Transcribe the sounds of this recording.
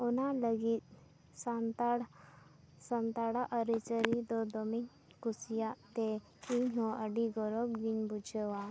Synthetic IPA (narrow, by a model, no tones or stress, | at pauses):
ɔnaləɡit̪̚ | sãnt̪aɽ | sənt̪aɽaʔəɾit͡səɾid̪ɔd̪ɔmin | kusjat̪e | iɲɦɔəɖiɡɔɾɔkɡiɲbud͡ʑəʋa